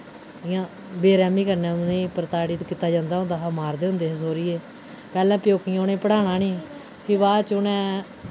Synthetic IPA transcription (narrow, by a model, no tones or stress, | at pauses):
ɪjãː | beːɾɛːmiːkəɾnɛ̃ːnẽːpəɾt̪aːɽiːt̪kiːt̪ːaːd͡ʒãːnd̪aːɦʊ̃nd̪aːɦamaːɾd̪eːɦʊ̃nd̪eːs̬oːɾɪːeː | pɛːlɛ̃ːpjoːkĩoːnẽːpəɽaːnãːnĩː | pʰiːʋaːt͡ʃʊnɛ̃ː